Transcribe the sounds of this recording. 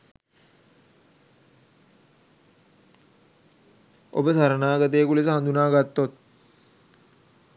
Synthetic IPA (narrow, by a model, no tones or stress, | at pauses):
o̰bəsaɾənaːɡət̪̬ejkules̬əɦãnd̪unaːɡat̪ːot̪̚